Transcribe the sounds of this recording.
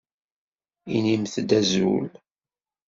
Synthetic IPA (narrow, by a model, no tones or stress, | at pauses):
inimθd̪æzṵl